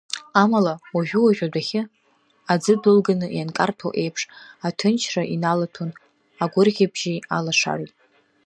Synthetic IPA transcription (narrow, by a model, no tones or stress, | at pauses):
amalawaʒᶣuwaʒʲʷᶣadaχʲɪ | ad͡zɨdɨlɡanɨjankʼartʰo̰ʔe̞jpʰʂatʰɨnt͡ʃʰraʔinalatʰon | aɡʷʊrɣʲabʒia̰laʂa̰ritʼ